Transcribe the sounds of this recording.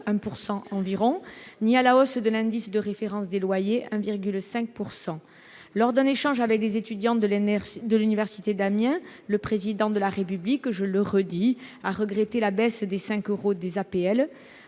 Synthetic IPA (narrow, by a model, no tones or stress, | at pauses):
ɛ̃puʁsɑ̃ɑ̃viʁɔ̃nialaɔsd̪əlɛ̃d̪isd̪əʁefeʁɑ̃sd̪elwajeʔɛ̃viʁɡylsɛ̃k̚puʁsɑ̃ | lɔʁd̪ɛ̃neʃɑ̃ʒavɛk̚lezet̪yd̪jɑ̃d̪əlynivɛʁsit̪ed̪amjɛ̃ləpχezid̪ɑ̃d̪əlaʁep̬yblikʒələʁəd̪iaʁəɡʁet̪elabɛsd̪esɛ̃køʁod̪ezapeɛl